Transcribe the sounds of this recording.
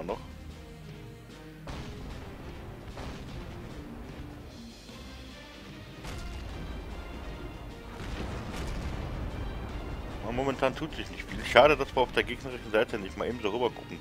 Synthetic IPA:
ɐnɔχ | amomɛntʰaːntʰuːtz̥ɪçnɪçtfiːlʃaːɾədasv̥maɐaʊfd̥eːɐɡeːɡnəʁɪʃn̩zaɪtʰənɪçtmaːʔeɪːbm̩zoːʁyːbɐkʰʊkŋ̩

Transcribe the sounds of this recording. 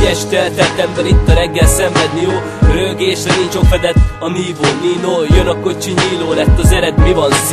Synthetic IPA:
ɛʃt̪ɛlt̪ɛlt̪ɛmbɛɾit̪ːɒɾɛɡːɛlsɛɱvɛd̪nioː | røɡeːʃɛɡint͡ʃo̞kfɛd̪ɛt̪ɒniːboːniːloːjønɒko̞t͡ʃiɲiːloːlɛt̪ːɒzɛɾɛd̪mivɒns

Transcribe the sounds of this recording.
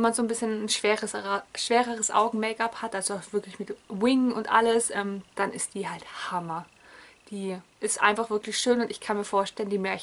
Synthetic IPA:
ɛnmanzoːnbɪsçənn̩ʃv̥eːʁəsʃv̥eːʁəʁəsʔa̰ʊɡŋ̩mɛːkaphatʔalzoaʊxv̥ɪɐklɪçmɪtwɪŋʊntʔa̰ləsʔɛːmd̥anʔɪstd̥iːhalthamɐ | d̥iːʔɪstʔa̰ɪnfaχv̥ɪɐklɪçʃøːnʊntɪçkʰanmiːɐfoːɐʃtɛləndiːmɛɐç

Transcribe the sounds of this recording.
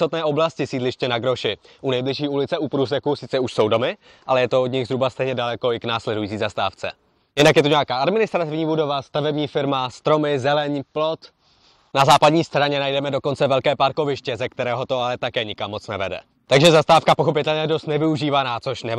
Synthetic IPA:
ot̪nɛːʔo̞blascɪsiːdlɪʃcɛnaɡɾo̞ʃɪ | ʔunɛjblɪʃ̬iːulɪt͡sɛʔupɾuːs̬ɛkusɪt͡sɛuʃso̞wdo̞mɪ | ʔalɛjɛt̪oodɲɪɣzɦɾubast̪ɛjɲɛdalɛko̞ɪknaːslɛdujiːt͡siːzast̪a̰ːft͡sɛ̰ | jɪnakjɛt̪uɲɛakaːadmɪnɪst̪ɾat̪ɪvɲiːbudo̞vast̪avɛbɲiːfɪɾmast̪ɾo̞mɪzɛlɛɲplo̞t̪ | nazaːpadɲiːst̪ɾaɲɛnajdɛmɛdo̞ko̞nt͡sɛvɛlkɛːpaɾko̞vɪʃcɛzɛk̚t̪ɛɾɛːɦo̞t̪o̞alɛt̪akɛːɲɪkamːo̞t͡snɛ̰vɛ̰dɛ̰ | t̪aɡʒɛzast̪aːfkapo̞xo̞pɪt̪ɛlɲɛjɛdo̞st̪nɛvɪuʒiːvanaːt͡so̞ʃnɛ

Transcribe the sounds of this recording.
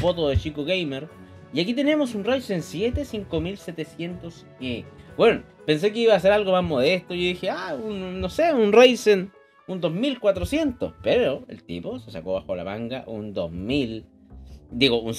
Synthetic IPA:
fot̪oðet͡ʃikoɣejmeɾ | iakit̪e̞nemosunrejsensjet̪esiŋko̞milset̪esjent̪os | kibweno | pe̞ns̬ek̬eiβaːs̬eɾalɣo̞mazmo̞ðest̪oʝoðixeaunːoseunrejsen | und̪ozmilkwat̪ɾosje̞nt̪o̰speɾoḛlt̪ḭposesa̰koβaxola̰maŋɡa̰ʔund̪o̰zmil | d̪iɣouns

